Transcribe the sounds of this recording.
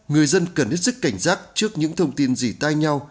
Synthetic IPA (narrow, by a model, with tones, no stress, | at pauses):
ŋɨ˨˩əjzə˧nkə˨˩nhə˦˥t̚sɨ˦˥kːa˧˩jŋ̟zaː˦˥t̚t͡ɕɨ˦˥ək̚ɲɨ̰˧˥ŋt̪ʰə˧wŋ͡mt̪i˧nzi˨˩t̪a˧jɲa˧w